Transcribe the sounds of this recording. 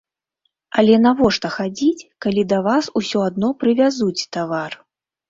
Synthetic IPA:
ɐlʲɛnavɔʂt̪ɐxad͡zʲit͡sʲkalʲid̪ɐvasusʲɔad̪nɔpɾɨvʲazut͡sʲt̪avar

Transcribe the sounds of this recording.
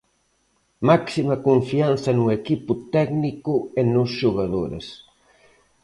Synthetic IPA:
maksimɐkuɱfian̟θɐnuekipʊt̪ɛɡnikuenʊsʒuɣaðoɾḛs

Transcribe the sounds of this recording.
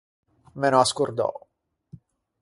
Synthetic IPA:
menoaskurd̪ɔ̰

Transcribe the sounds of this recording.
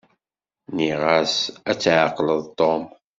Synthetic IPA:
niʁæsæt͡sːʕəqləðˤt̪ˤom

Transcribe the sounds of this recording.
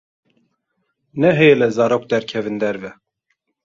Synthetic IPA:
nɛɦɛjelɛzɑːɾoːk̚d̪ɛɾkʲʰɛvɨnd̪ɛɾvɛ

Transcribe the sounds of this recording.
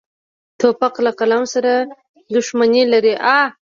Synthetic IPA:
t̪opaqlaqalamsaɾa | d̪ʊʂmanelaɾiʔa

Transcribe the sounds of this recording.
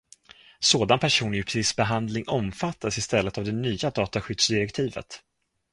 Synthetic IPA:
soːd̪anpʰæʂuːnjʏpʰɪsbɛɦand̪lɪŋɔmfat̪ːasɪst̪ɛlːət̪avd̪ɛnyːad̪ɑːt̪aɧʏd̪̥sd̪ɪɾɛkt̪ʰiːvə̰t̪

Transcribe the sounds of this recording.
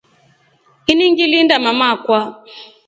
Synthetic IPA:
iniŋɡilindamamakwa

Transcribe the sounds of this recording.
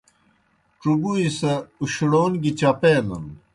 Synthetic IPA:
ʈ͡ʂubuisɐuɕɽoːnɡit͡ɕɐpeːnɐ̰n

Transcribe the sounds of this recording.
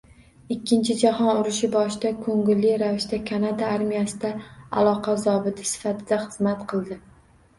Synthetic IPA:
ɪkʲːɪnt͡ʃʰɪd͡ʒahɒnʊɾɪʃɪbɒʃɪd̪akʰɵŋɡɪlːɪɾavɪʃd̪akʲʰanad̪aaɾmijasɪd̪aa̰lˠɒqɑzɒbɪt̪ʰɪ̥sɪ̥fat̪ʰɪd̪aχɨzmat̪qʰɨlˠd̪ɪ

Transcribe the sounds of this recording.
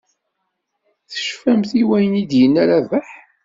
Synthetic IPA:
θə̥ʃfæmθiwæjənid̪jənːæɾævæħ

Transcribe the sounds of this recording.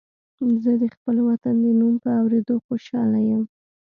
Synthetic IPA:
zəd̪əxpəlwat̪and̪ənumpəawɾed̪oxoʃɑlajəm

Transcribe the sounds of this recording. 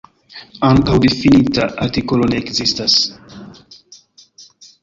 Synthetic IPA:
aŋtawdefinitaʔaɾtikolo̞ne̞ːkzistas

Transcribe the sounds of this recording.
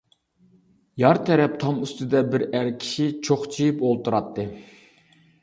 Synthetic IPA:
jɑɾt̪ʰɛɾɛp̚t̪ʰɑmyst̪ɪd̪ɛbɪɾæɾkʲʰi̥ʃit͡ʃʰoχt͡ʃʰijipolˠt̪ʰuɾɑt̪ʰːɨ

